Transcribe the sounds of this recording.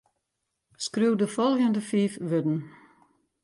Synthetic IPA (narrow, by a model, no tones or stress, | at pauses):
skrywdəfɔlˠɣəndəfiːfʋødn̩